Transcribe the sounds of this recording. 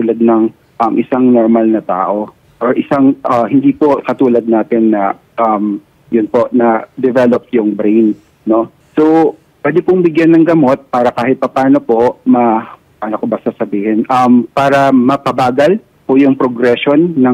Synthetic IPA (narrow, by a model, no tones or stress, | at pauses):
t̪uːlɐd̪̚nɐŋ | ʔɐŋʔɪsaŋnoɹmɐlnɐt̪a̰ːʔo̞ | ʔoɹʔɪsaŋʔɐhɪnd̪ipokɐt̪uːlɐd̪̚naːt̪ɪnːɐ | ʔɐm | jʊnpo̞ʔnɐd̪ɛvɛlop̚jʊŋbɾɛjn | no̞ | so | pwɛːd̪opʊŋbɪɡjanːɐŋɡɐmo̞t̪̚paːɾɐkaːhɪt̪̚pɐpaːno̞pomɐ | paːnokobɐsɐsɐbiːhɛnʔɐmpaːɾɐmɐpɐbaːɡɐl | pʊjʊŋpɾoɡɾɛʃonːɐ